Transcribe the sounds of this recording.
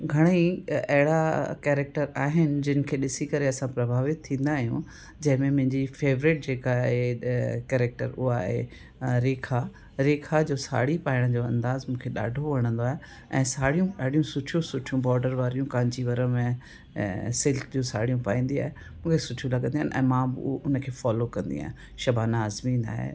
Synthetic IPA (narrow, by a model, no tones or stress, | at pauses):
ɡʱɐɽ̃iɐɦɪɽakɛːɾɛk̚ʈəɾaːɦɪnɪ̆d͡ʑɪnɪ̆kʰeːɗɪsikɐɾeɐsãpɾɐbʱaːʋɪt̪t̪ʰːĩːnd̪aːɦijũ | d͡ʑɐ̃ɦɪ̃mẽmʊ̃ɦɪ̃ɲd͡ʑifeːʋɾɪʈ̚d͡ʑeːkaɦekɛːɾɛk̚ʈə̰ɾʊ̰ɦaɦḛ | ɾeːkʰa | ɾeːkʰad͡ʑoːsa̰ːɽipaːɪɽ̃əd͡ʑoːɐ̰̃nd̪aːzmũːkʰeɗa̰ːɖʱoʋɐɽ̃ə̃nd̪oaːɦe | ɛ̰̃ːsaːɽijũɗaːɽ̤ijũsʊʈʰjũsʊʈʰijũbɔːɾɖəɾʋaːɾijũkaːɪ̃ɲt͡ɕiʋɐɾəmḛ̃ | sɪlkd͡ʑũːsa̰ːɽijũpa̰ːĩːnd̪ia̰ːɦe | mũːkʰesʊʈʰijũlɐɠə̃nd̪iaːnʔɛ̰̃ːmãːbɪ̰ʔʊnəkʰeːfɔːlokɐ̃nd̪ḭa̰ː | ʃɐbʱaːnaːzmĩːna̰ːɦḛ